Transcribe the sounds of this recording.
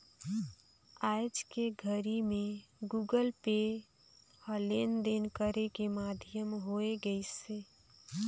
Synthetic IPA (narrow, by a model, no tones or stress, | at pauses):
ad͡ʒkeɡʱəɾimẽɡuɡəlpe | ɔlend̪enkəɾekemad̪ʱjəmɦoeɡəise